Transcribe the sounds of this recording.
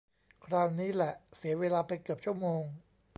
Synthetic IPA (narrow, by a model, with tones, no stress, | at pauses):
kʰɾaː˧wniː˦˥lɛ˨˩ʔsi˩˦ɐweː˧laː˧pa˧jkɯ˨˩əp̚t͡ɕʰu˥˩əmoː˧ŋ